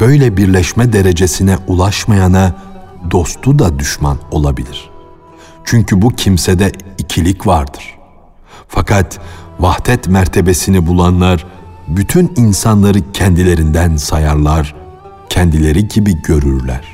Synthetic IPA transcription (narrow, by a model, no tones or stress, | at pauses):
b̥ø̞jlʲɛbiɾlʲɛʃmɛd̪eɾe̞d͡ʒe̞sinɛulˠaʃmajanad̪o̞st̪ʰud̪ad̪yʃma̰no̞lˠabilʲiɾ̥ | t͡ʃʰyɲcʰybucʰimsɛd̪ɛicʰilʲicvaɾd̪ɯɾ̥ | fakʰat̪vaht̪ʰɛt̪mæɾt̪ʰe̞be̞sinibulˠanlˠaɾbyt̪ʰyninsanlˠaɾɯcʰɛnd̪ilʲe̞ɾind̪ænsajaɾlˠaɾ̥ | cʰɛnd̪ilʲe̞ɾiɟibiɟø̞ɾyɾlʲæ̰ɾ̥